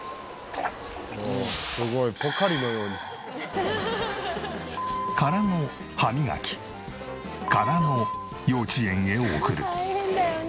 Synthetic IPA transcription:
sɨɡoipokːaɾʲinojo̞ːɲi | kaɾano̞ | hamʲiɡa̰kʲi̥ | kaɾano̞ | jo̞ːt͡ɕiẽ̞ŋɡe̞oːkɯ̟ɾɯ̟

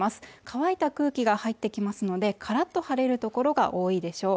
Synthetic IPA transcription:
masɨ̥kaβait̪akɯ̟ːkʲiɡahait̪ːe̞kʲimasɨno̞d̪e̞kʰaɾat̪ːo̞haɾe̞ɾɯ̟t̪o̞ko̞ɾo̞ɡa̰ʔo̞ːid̪e̞ɕo̞ː

